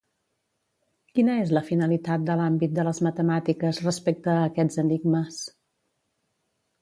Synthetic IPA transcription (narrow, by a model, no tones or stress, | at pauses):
kinəezləfinəlit̪at̪̚d̪əlambit̪̚d̪ələzmət̪əmat̪ikəzrəspek̚t̪əːkɛd͡zəniɡməs